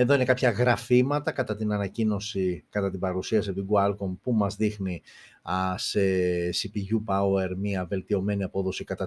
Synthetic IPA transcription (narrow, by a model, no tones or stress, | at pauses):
e̞ðo̞ine̞kɐpçɐɣɾɐfimɐt̪ɐkɐt̪ɐt̪inɐnɐcino̞sikɐt̪ɐt̪ibɐɾusiɐsipt̪iɡuɐlkompumɐzðixni | ɐsesipiʝupɐweɾmiɐve̞lt̪io̞me̞niɐpo̞ðo̞sikɐt̪ɐ